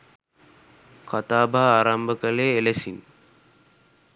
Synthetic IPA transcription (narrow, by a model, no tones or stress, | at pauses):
kat̪aːbʱaːaːɾambəkəleːelesin